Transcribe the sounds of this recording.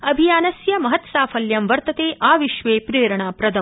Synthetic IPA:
ɐbʱijaːnɐsjɐmɐɦɐt̪saːfɐljɐmʋɐɾt̪ɐt̪eːʔaːʋiʃʋeːpɾeːɾɐɳaːpɾɐd̪ʱɐm

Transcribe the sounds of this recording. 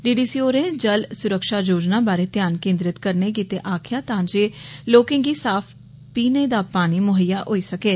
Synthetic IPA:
ɖiːɖiːsiːoːɾẽːd͡ʒəlsʊɾəkʃaːd͡ʒoːd͡ʒnaːbaːɾeːt̪jaːnkẽːnd̪ɾɪt̪kəɾneːk̬iːt̪eːʔaːkʰɪjaːt̪ãːd͡ʒeːloːkẽːŋɡiːsaːpʰ | piːneːd̪aːpaːɽ̃iːmʊɦəjaːʔoːiːsəkeː

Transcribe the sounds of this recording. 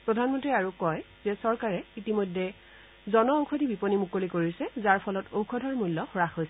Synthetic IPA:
pɹɔdʱanmɔntɹiaɹukɔj | z̥ɛsɔɹkaɹɛitimojdʱːɛ | zɔnɔowkʰɔdʱibiponimukolikoɹisɛzaɹpʰɔlɔtowkʰɔdʱɔɹmulːɔxɔɹaxojsɛ

